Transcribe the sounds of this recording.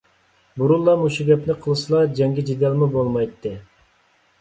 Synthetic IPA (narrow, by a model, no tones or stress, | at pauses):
buɾulˠːɑmuʃuɡʲɛpnɪqʰəlˠɨsɨlˠɑd͡ʒɛŋɡʲid͡ʒid̪jɑlˠmubolˠmɑjt̪ʰːɨ